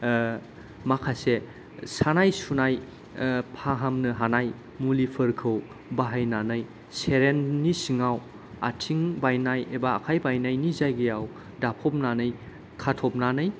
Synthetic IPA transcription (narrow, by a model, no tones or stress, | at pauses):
makʰase | sanajsunaj | pʰaɦamnɯɦanaj | mulipʰɯɾkʰɯw | baɦajnanɯj | seɾenːisiŋaw | a̰tʰiŋbajnajebaːkʰajbajnajnizajɡejaw | dapʰɔp̚nanɯj | kʰatʰɔp̚nanɯj